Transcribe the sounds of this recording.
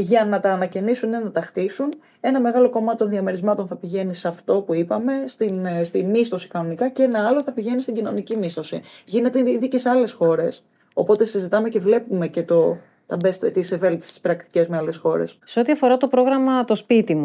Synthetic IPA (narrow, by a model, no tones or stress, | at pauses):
ʝɐnɐt̪ɐːnɐcenisunenɐt̪ɐxt̪isun | e̞nɐme̞ɣɐlo̞ko̞mɐt̪it̪oðiɐme̞ɾizmɐt̪o̞nθɐpiʝe̞nisɐft̪o̞puipɐme̞st̪inst̪imist̪o̞si̥kɐno̞nikɐcee̞nɐɐlo̞θɐpiʝe̞nist̪iɟino̞nicimist̪o̞siʝine̞t̪eiðicesɐle̞sxo̞ɾe̞s | o̞po̞t̪e̞sizit̪ɐme̞ce̞vle̞pume̞ce̞t̪o̞ | t̪ɐbest̪et̪iseve̞lt̪i̥st̪i̥spɾɐkt̪i̥cezmeɐle̞sxo̞ɾḛsseo̞t̪iɐfo̞ɾɐt̪o̞pɾo̞ɣɾɐmɐt̪o̞spit̪imu